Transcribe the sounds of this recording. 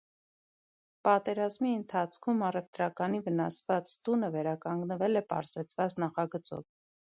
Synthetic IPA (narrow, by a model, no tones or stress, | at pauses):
pɑt̪ɛɾɑzmiənt̪ʰɑt͡sʰkʰumɑrɛvt̪ɾɑkɑnivənɑsvɑt͡st̪unəvɛɾɑkɑŋɡnəvɛlɛpɑ̰ɾz̥ɛt͡sʰvɑt͡snɑχɑɡət͡sɔ̰v